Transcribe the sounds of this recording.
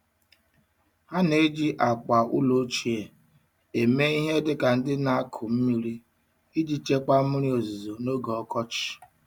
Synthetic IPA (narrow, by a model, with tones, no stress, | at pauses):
ha˦ne˦d͡ʒi˦ʔa˨k͡pa˨ṵ˦lo˦t͡ʃi˨e˨ | e˨me˦i˦ɦe˦dɪ˦ka˨n̩˦dɪ˦na˦a˦kʰʊ˨m̩˦mi˦ɾi˦ | i˦d͡ʒi˨t͡ʃe˦kk͡pa˦ɾi˦o˨zu˨zo˨no˦ɡɔ˨ɔ˦kɔ˦t͡ʃɪ̥˨